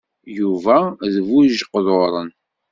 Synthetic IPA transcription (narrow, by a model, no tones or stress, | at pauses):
juvæðvuʒqðoɾˤə̰n